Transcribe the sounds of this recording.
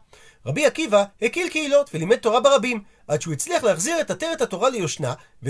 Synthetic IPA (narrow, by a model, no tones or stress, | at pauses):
ʁabiakivahekilkeilo̞tvelimed̚to̞ʁabeʁabim | ʔadʃeuet͡sliaχleaχziaʁe̞tateʁethato̞ʁalejo̞ʃna | ve